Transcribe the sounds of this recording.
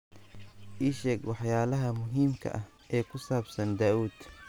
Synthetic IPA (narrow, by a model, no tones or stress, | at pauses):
ʔiʃɐɡwɑħjaːlɐɦɐmʊɦiːmkʰɐ̰ʔɐh | ʔɛːkʰʊsaːbsɐnd̪aːuːd̪̥